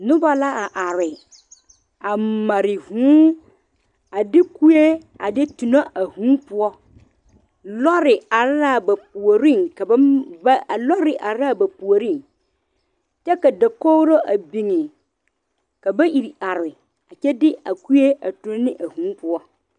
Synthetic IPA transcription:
nʊ̃˦ba˨la˦a˨ʔa˨ɾɪ˨ | a˨mã˨ɾɪ˨hũ˦ | a˨dɪ˦ku˦e˦ | a̰˨dɪ˦tu˨nã˦ʔa˨hũ˦pʊ˦ɔ˦ | lɔ˦ɾɪ˨a˨ɾɾa˦˨ba˨p̚u˨o˨ɾĩ˦ŋka˨bblɔ˦ɾɪ˨ʔa˨ɾa˦˨ba˨pu˨o˨ɾĩ˦˨n | t͡ʃɛ˦ka˨da˨kɔ˦wɾo˦ʔa˨bi˨ŋɪ̃˨ | ka˨bɛ˦ʔi˨ɾi˨a˨ɾɪ˨ | a˨t͡ʃɛ˦dɪ˦a˨ku˦e˦a˨tu˨˦ñ˦nɪ̃˦ʔa˨hũ˨˦pʰʊ˦ɔ˦

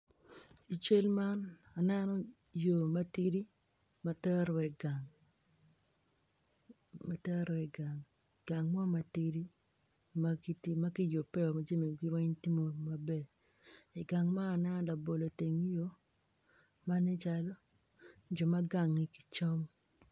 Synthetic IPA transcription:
i˨t͡ʃe˦lma˦na˨nɛ˦nɔ˦ | jo˨ma˦ti˦ɾi˦ | ma˨tɛ˦ɾɛ˨ɡa˨ŋ | ma˨tɛ˦ɾɔ˨ɛ˨ɡa˨ŋ˨ | ɡ̥a˨ŋmɔ˦ma˨ti˦ɾi˦ | ma˦ki˦tma˦ki˦jo˨pɛ˦ɔ˨ma˦d͡ʒe˦mi˨ɡi˦ɾwɛ˦ɲti˦mo˦ma˨bɛ˦˨ | i˨ɡa˨ŋma˦a˨nɛ˦nɔ˦la˨bo˨lo˨te˨ŋ˦jo˦ | ma˦ni˦t͡ʃa˦lo˦ | d͡ʒɔ˨ma˦ɡa˨ŋi˨ki̥˨t͡ʃɔ˦m

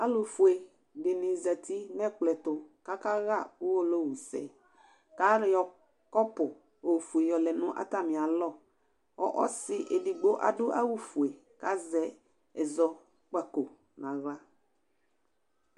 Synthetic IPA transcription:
a˦lʊ˨fu˨e˨ | de˨nɪ̃˨za˨ti˦nɛ˦klɛ˨tʊ˨ka˦ka˦ɣa˦˨ʊ˦wo˦lo˦˨wu˨sɛ̰˨ | ka˦ɾjɔ˨ | kɔ˦pʊ˨ | o˨fu˨e˨jɔ˨lɛ˨nʊ̃˦ʔa̰˦ta˦˨mɪ̃˨a˨lɔ˦˨ | ɔ̰˦ʔɔ̰˦sɪ˦ʔe˨di˨ɡ͡bo˦ʔa̰˨dʊ˦ʔa˦wu˦fu˨e˨ | ka˨˦zɛ˨ | ɛ˨zɔ˨ | k͡pa˨ko˨ | nã˨ɣa˦

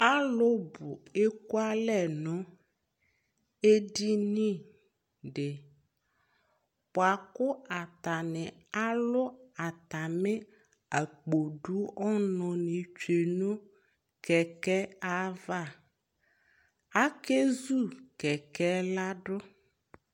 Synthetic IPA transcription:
a˦lʊ˦bʊ˨e˦ku˦a˦lɛ˦˨nɔ̃˦ | e˦di˦nĩ˦ | ɖɪ˨ | pʊ˨a˨kʊ˦a˨t̪a˨nɪ̃˨ | a˦lʊ˦a˨t̪a˨mɪ˦ | a˨k͡po˨ɖu˦ɔ˦nɔ̃˨nɪ̃˨t͡ʃe˨nõ˦ | kɛ˨kɛ˦a˦va˦˨ | a˦ke˦zu˦˨kɛ˨kɛ˦la˦ɖʊ˦

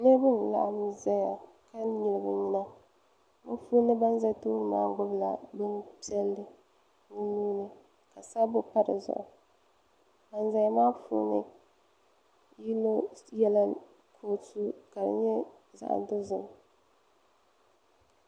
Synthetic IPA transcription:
nɨ˦bɨ˦n˨la̰˨ʔa˦mza˦ja˨ | ka˦ɲi˨lɨ˨bɨ˨ɲi˦na˦ | mʊ˦fuː˦nɨ˦ba˦nza˦toː˦ɾɨ˨maː˦ɡʊ˦bla̰˨bɨ˦npi˦ɛ˦lːɨ˨ | nʊ˦nuː˦nɨ˦ | ka˨sa˦bʊ˦pa˦ɾɨ̰˨zʊ̰˨ʔʊ˨ | ba˨n˦za˨˦ja˦maː˦fṵː˦nɨ̰˦ | ji˦no˦jɛ˦la˦ | kʰo˨tu˦ka˨dɨ̰˨ɲɛ˦ | za̰˨ʔa̰˨dʊ˦zʊ˨m˨

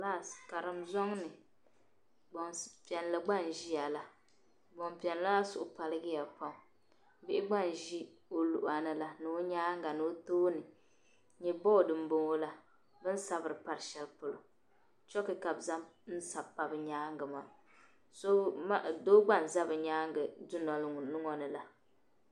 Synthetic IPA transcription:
laː˦˨ska˨ɾɨ˨mzɔ˦ŋnɨ˨ | ɡ͡bɔ˨ŋpi˨ɛ˨n˨la˨ɡ͡ba˦n˨ʒi˦ja˨la˨ | ɡ͡bo˨mpi˨ɛ˨nla˦sʊ˦˨ʔʊ˨pa˨lɨ˦ɡɪ˦ja˨pa˨ŋ˨˦ | bɪ˦ʔɪ˦ɡ͡ba˦˨n˨ʒi˦ | o˨lu˨ʔa˨nɨ˨la˦nɨ˨o˦ɲaː˦ŋɡa˨nɨ˨o˦toː˦nɨ˨ | ɲɛ˨bɔ˦˨dɨ˨m˦bo˦ŋo˦la˦ | bɨ˦n̩˦sa˦bɨ˨ɾɨ˨pa˨ɾʃɛ˦lpo˨lʊ˨ | t͡ʃɔ˦kɨ˨ka˨bza˦mn̩˦sa˨pːa˨bɨ˨ɲaː˦ŋɡɨ˨ma˨ | so˦˨doː˦ɡ͡ba˦˨n˨za˦bɨ˨ɲaː˦ŋ˦ɡɨ˨dʊ˦nɔ˨lŋ˨nɨ˦ŋɔ˦nɨ˨la˨

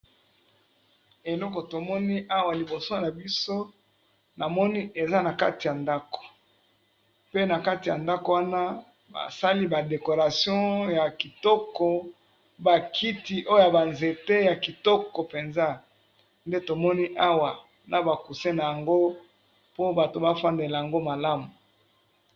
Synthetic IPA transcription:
e˨lɔ˦kɔ˨to˨mɔ˦ni˦ʔa˦wa˨li˨bo˨so˦na˨bi˦so˦ | na˨mɔ˦ni˦ʔe˨za˦na˨ka̰˦ti˨ja˨nda˦ko̥˨ | pe˦na˨ka˦ti˨ja˨nda˦ko˨wa˦na˦ | ba̰˨sa˦li˦ba˨de˨ko˨ʁa˨sjɔ̃˦ja˨ki˨tɔ˦kɔ˨ | ba˨kʰi˦ti˨ʔo˦jo˦ja˨ba˨nze˨te˦ja˨ki˨tɔ˦kɔ˨pe˨nza˦ | nde˦to˨mɔ˦ni˦ʔa˦wa˨ | na˨ba˨ku˨se˦na˨ja˨ŋɡo˦ | po˦ba˨to˨ba˦fa˦nde˨la˨ja˨ŋɡo˦ma˨la˦mu˨

